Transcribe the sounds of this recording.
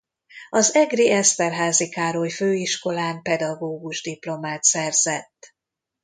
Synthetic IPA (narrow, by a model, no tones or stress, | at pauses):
ɒzɛɡriɛst̪ɛrɦaːzikaːɾoːjføːiʃko̞laːmpɛd̪ɒɡoːɡuʒd̪iplo̞maːt̪sɛrz̥ɛt̪ː